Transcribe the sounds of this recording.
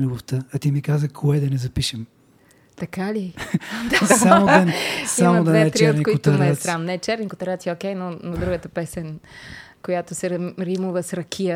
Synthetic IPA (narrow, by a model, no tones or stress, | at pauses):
lɛvoft̪əɐt̪imikazəkʰoɛd̪ɐnɛzɐpiʃɛm | t̪ɐkalid̪asamod̪ɐsamod̪ɐnɛɛt̪ɾt͡ʃɛɾnikokiot̪ɐɾnɛɛsɾamnɛɛt͡ʃɛɾnikʊt̪ɐɾat̪siokɛjnonod̪ɾuɡət̪əpɛsɛn | kojat̪osɛɾimuvəsɾɐkʰijə